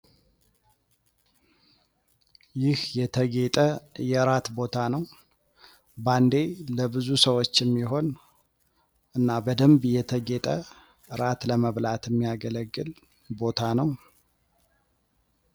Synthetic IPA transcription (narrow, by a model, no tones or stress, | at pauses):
jɪhjɛt̪ʰəɡet̪ʼəjɛɾat̪bo̞t̪ʰanəw | band̪e̞ləbɨzusəwot͡ʃːɛmːiɦo̞n | ʔɨnːabəd̪əmbjɛt̪ʰəɡet̪ʼə | ɨɾat̪ləməβlat̪ʰjɛmːijaɡələɡːɨl | bo̞t̪ʰanəw